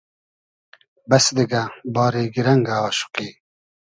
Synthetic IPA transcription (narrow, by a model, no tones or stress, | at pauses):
bɐsd̪iɡabɑːɾeːɡiɾɐŋɡaɑːʃu̥qiː